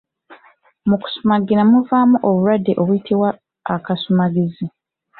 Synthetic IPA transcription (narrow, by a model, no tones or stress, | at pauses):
muku̥sumaɡiɾamuvaːmuʔoβuɾadːeʔo̞βujitʰiβwaː | kasumaɡizi